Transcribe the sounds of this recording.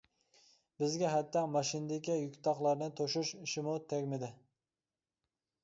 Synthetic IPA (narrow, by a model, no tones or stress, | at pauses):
bɪzɡʲɛɦæt̪ːɑmɑʃind̪ɪkʲijykʲt̪ʰɑχlˠɑɾnɨt̪ʰoʃuʃiʃɪmut̪ʰɛɡʲmɪd̪ɪ